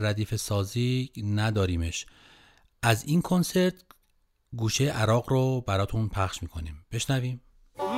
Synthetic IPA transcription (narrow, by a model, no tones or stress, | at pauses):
ɾæd̪iːfe̞sɒːziːnæd̪ɒːɾiːmeʃ | ʔæziːnkʰonse̞ɾt̪ʰ | ɡuːʃejeʔæɾɒːɣɾobæɾɒːt̪ʰunpʰæχʃmiːkʰo̞niːmb̥e̞ʃnæviːm